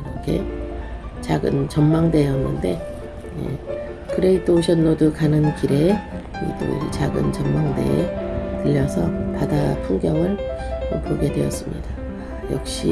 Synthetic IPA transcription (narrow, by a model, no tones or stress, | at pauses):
kʰe̞̰ | t͡ɕaɡɯ̰nt͡ɕʌnmaŋde̞ʌnːɯnde̞ | je̞̰ | kɯɾe̞id͈oɕʰʌnːodɯkanɯnkiɾe̞ | ḭt͈o̰it͡ɕaɡɯ̰nt͡ɕʌmmaŋde̞̰ḛtɯʎːʌsʰʌpadapʰuŋɡjʌŋɯɭ | ʌpoɡe̞dwe̞ʌs͈ɯmɲḭda | jʌ̰k̚ɕ͈ḭ